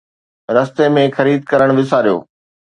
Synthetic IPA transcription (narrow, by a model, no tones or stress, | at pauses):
ɾɐst̪emẽxɐɾiːd̪̚kɐɾəɽ̃ʋɪs̬aːɾijo̰ː